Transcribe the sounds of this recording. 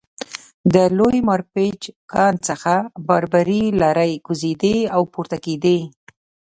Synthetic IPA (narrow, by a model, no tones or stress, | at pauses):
d̪əlojmɑɾpet͡ʃkɑnt͡səxabaɾbaɾilɑɾajɡuzed̪eawpuɾt̪aked̪e